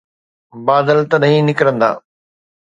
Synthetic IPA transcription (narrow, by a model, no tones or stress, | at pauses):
baːd̪əlt̪ɐɗɦĩnɪkɾə̃nd̪a̰ː